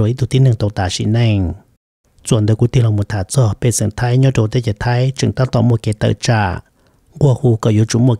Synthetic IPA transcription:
o˨i˦d̪u˨t̪i˦nɨ̃˧ŋt̪o˧˨t̪a˨ʃḭ˧˨ʔnẽ˧ŋ | t͡swa˨nd̪ə˧kʷi˧˦t̪i˦˧lɔ˧˨mõ˧˨t̪ʰa˨t͡sɔ˧˨pe˧˨t͡sə˨ŋt̪ʰa˧˦jɲɔ̃˦to˧˨t̪e˦ka˨t̪ʰa˧˦jt͡ʃɨ̰˨ŋt̪a˦t̪ɔ˧˨mwo˧˨ke˧˨t̪ə̰˧˨t͡ʃa˧˨ʔ | ŋ˦ɡwɔ˦˧˨huː˧kɔ˧˨jo˧˦t͡ʃu˧˨mwo˧˨

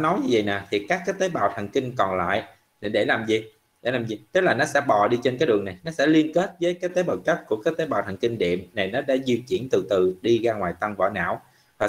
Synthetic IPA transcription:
nɔ˨˦jɲi˧˦zə̰˧˨jnaː˨˩t̪ʰi˨˩kaː˦˥kːaː˨˦jt̪eː˨˦jɓaː˧˨wt̪ʰa˨˩ŋkï˧ŋ̟kɔ˨˩nla̰ː˧˨jʔ | ni˧˨˩ɗe˧˩laː˨˩mzi˨˩ | ɗe˧˩laː˨˩mzi˨˩t̪ə˦˥k̚laː˨˩nɔ˨˦sɛ̰˧˥ɓɔ˨˩ɗi˧t͡ɕe˧nkaː˨˦jɗɨ̰˨əna˨˩jnɔ˨˦sɛ̰˧˥li˧ənke˦˥t̚vəː˨˦jkaː˨˦jt̪e˨˦ɓaː˨˩wt͡ɕa˦˥t̚ku˧˩əkaː˨˦˥k̚t̪eː˨˦jɓa̰ː˧˨t̪ʰa˨˩ŋki˧ŋ̟ɗḭ˧˨əmna˨˩jnɔ˨˦ɗa̰ː˧˥zi˧t͡ɕḭ˧˩ənt̪ɨ˨˩t̪ɨ˨˩ɗi˧ɣaː˧ŋwaː˨˩jt̪a˧ŋvɔ̰˧˩˦na̰ː˧˨w | vaː˨˩

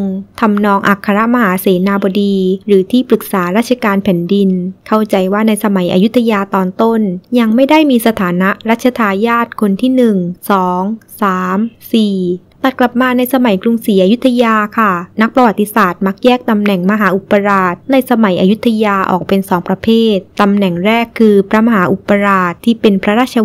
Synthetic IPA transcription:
ŋt̪ʰa˧mnɔː˧ŋʔa˨˩kʰːa˧ɾa˦˥ʔma˧haː˩˦seː˩˦naː˧bɔː˧diː˧ɾɯː˩˦t̪ʰiː˥˩pɾɯ˨˩k̚saː˩˦ɾaː˥˩t̪̚t͡ɕʰa˧kaː˧npʰɛː˩˦ndi˧nkʰa˥˩wt͡ɕa˧jwaː˥˩na˧jsa˧ma˩˦jʔa̰˧ju˦˥t̪ʰːa˧jaː˧t̪ɔː˧nt̪o˥˩nja˧ŋma˥˩jda˥˩jmiː˧sa˧t̪ʰaː˩˦na˦˥ʔɾaː˥˩t̪̚t͡ɕʰa˧t̪ʰaː˧jaː˥˩t̪̚kʰo˧nt̪ʰiː˥˩nɯ˨˩ŋsɔː˩˦ŋsaː˩˦msiː˨˩ | t̪a˨˩t̪̚kla˨˩p̚maː˧na˧jsa˧ma˩˦jkɾu˧ŋsiː˩˦ʔaː˧ju˦˥t̪ʰːa˧jaː˧kʰa˥˩na˦˥k̚pɾa˧wa˨˩t̪ːi˧˥saː˨˩t̪̚ma˦˥k̚jɛː˥˩k̚t̪a˧mnɛ˨˩ŋma˧ɦaː˩˦ʔu˨˩pːa˧ɾaː˨˩t̪̚na˧jsa˧ma˩˦jʔa˧ju˦˥t̪ʰːa˧jaː˧ʔɔ̰ː˨˩k̚pe˧nsɔː˩˦ŋpɾa˧pʰeː˥˩t̪ːa˧mnɛ˨˩ŋɾɛː˥˩kʰːɯː˧pʰɾa˦˥ma˧ɦaː˩˦ʔu˨˩pːa˧ɾaː˨˩t̪ʰːiː˥˩pe˧npʰɾa˦˥ɾaː˥˩t͡ɕʰa˧

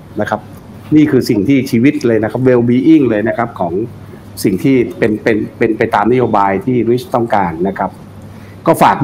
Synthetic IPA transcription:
na˦˥kʰa˦˥p̚ | niː˥˩kʰɯː˧si˨˩ŋt̪ʰiː˥˩t͡ɕʰiː˧wi˦˥t̪̚lɤː˧jna˦˥kʰa˦˥p̬̚we˧wbiː˧ʔi˥˩ŋlɤː˧jna˦˥kʰa˦˥p̚kʰɔː˩˦ŋ | si˨˩ŋt̪ʰiː˥˩pe˧npe˧npe˧npa˧jt̪aː˧mna˦˥joː˧baː˧jt̪ʰiː˥˩ɾi˦˥t͡ɕt̪ɔ˥˩ŋkaː˧nːa˦˥kʰa˦˥p̚ | kɔː˥˩faː˨˩k̚

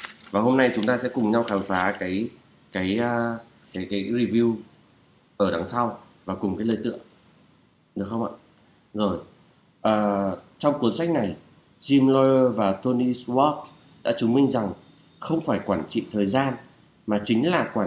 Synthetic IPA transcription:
vaː˨˩ho˧mna˧jt͡ɕʊ˨˦ŋ͡mt̪aː˧sɛ̰˧˥kʊ˨˩ŋ͡mɲa˧wxaː˨˦wfaː˨˦kaː˨˦j | kaː˨˦jː | kaː˨˦kaː˨˦jzi˧vi˧w | ʔəː˧˩ɗa˨˦ŋsa˧w | vaː˨˩kʊ˨˩ŋ͡mkaː˨˦jləː˧˩jt̪ɨ̰˧˨əŋ | ɗɨ˨˩ək̚xə˧wŋ͡mʔa̰ː˧˨ | zo˨˩j | ʔəː˨˩t͡ɕɔ˧wŋ͡mku˨˦ənsa˦˥jk̟̚na˨˩j | zi˧mlɔ˧jəː˧vaː˨˩t̪o˧ni˧swɔ˦˥t̚ | ɗa̰ː˧˥t͡ɕɨ˨˦ŋmï˧ŋ̟za˨˩ŋ | xə˧wŋ͡mfaː˧˩jkwaː˧˩nt͡ɕḭ˧˨t̪ʰəː˨˩jzaː˧n | maː˨˩t͡ɕï˨˦ŋ̟laː˨˩kwaː˧˩

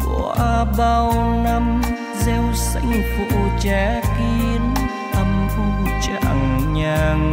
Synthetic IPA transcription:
kwa˧˨˧ɓa˧wna˧m | zɛ˧wsa̰˧˩jŋku˧˨ʔt͡ɕaː˨˦ki˧ən | ʔa˧mku˧ŋ͡mt͡ɕa˧˩ŋɲaː˧ŋ

